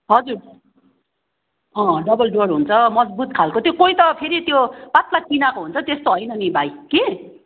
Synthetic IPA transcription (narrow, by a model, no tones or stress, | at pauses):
ɦʌd͡zur | ɦʌ̃ɖʌbʌlɖorɦunt͡sʰʌmʌd͡zbut̪̚kʰalkot̪jokojt̪ʌpʰeɾit̪jopat̪lat͡sinakoɦunt͡sʰʌt̪est̪oɦʌjnʌnibʱajke